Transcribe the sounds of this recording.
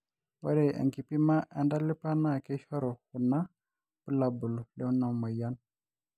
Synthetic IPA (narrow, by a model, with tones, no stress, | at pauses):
wa̰˦ɾe˨ʔa̰˨ŋki˨pi˦ma˦ʔa˨nda˦li˦pa˦na˦˨ke˦ʃo˦ɾo˨hu˨nːa˦ | pu˦la˨bu˨lu˨le˦wnːa˨ma˨ja˦n